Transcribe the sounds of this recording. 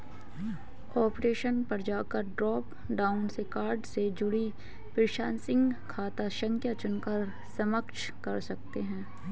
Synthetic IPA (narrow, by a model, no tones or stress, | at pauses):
ɔːpɾeːʃənpɐɾd͡ʒaːkɐɾɖɾɔːp | ɖaːʊnsekaːɾɖsed͡ʒʊɽi | pɪɾɪʃaːnsɪ̃ŋɡkʰaːt̪aʃə̃ŋkʰjat͡ʃʊnkəɾ | sɐməkʃ | kɐɾsɐk̚t̪eɦɛ̃ː